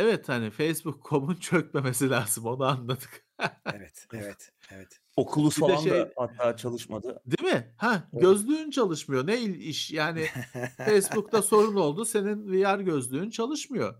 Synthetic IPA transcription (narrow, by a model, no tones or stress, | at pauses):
evɛt̪hanɪfejsbukʰːo̞bunt͡ʃʰøc̚me̞me̞silʲaːz̥ɯmo̞nuanlˠat̪ʰɯ̥k | eɛt̪evɛt̪eɛt̪ | okʰulˠuiaɛaʃned̪jhat̪ːaːt͡ʃʰalˠɯʃma̰d̪ɯd̪imɪhæɟøzlʲyːnt͡ʃʰalˠɯʃmɯjo̞ne̞jilʲiʃjaːnɪfejsbukt̪aso̞ɾuno̞lˠd̪use̞ninvijaɾɟø̞zlʲyːnt͡ʃʰalˠɯʃmɯjo̞